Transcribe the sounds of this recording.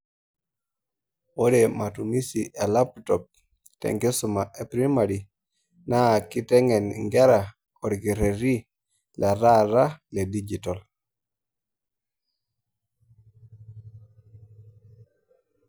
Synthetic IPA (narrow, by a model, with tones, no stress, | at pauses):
o˦de˨ma˨tu˨mi˦siʔe˨la˦ptɔ˨p̚ | tɛ̰˨ŋɡɛ˦sʊ˨ma˨ʔe˨pɾi˦ma˨ɾi˨ | na˦˨ki˦tɛ˦ŋɛ˨nŋɡɛ˦ɾa˨ | ɔ˨ɾɡi˨ɾe˨ɾi˦ | lʔa˨ɾa˦ɾa˦le˨di˦d͡ʒi˨tɔ˨l